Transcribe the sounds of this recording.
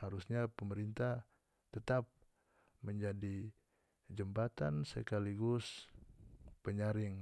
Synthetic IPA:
haɾusɲapəməɾint̪ah | t̪ət̪ap̚ | məɲd͡ʒadi | d͡ʒəmbat̪a̰nsə̰kaliɡʊs | pəɲaɾɪŋ

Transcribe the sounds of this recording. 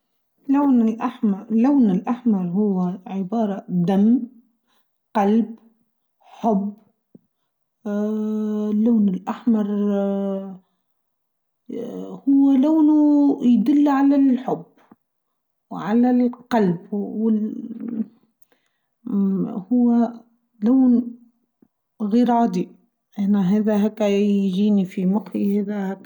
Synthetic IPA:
lawnɪlʔaħmlawnɪlʔaħmɑɾˤhʊwːaʕɪbɑːɾˤɑd̪am | qɑlb | ħʊb | lːaːnɪlʔaħmɑɾˤ | hʊwːalawnujd̪ʊlːʕalalħʊbː | wʕalalqɑlbwɪ | hʊwːa | laːn | ɣiːɾʕɑːd̪i | ʔanaɦeːðaɦæːkːaʒiːnifimʊqiheːðæhkː

